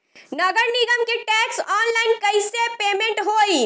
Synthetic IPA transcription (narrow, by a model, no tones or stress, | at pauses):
nəɡəɾniɡəmkeʈɛksɔnlaɪnkəɪsepemẽɳʈɦoj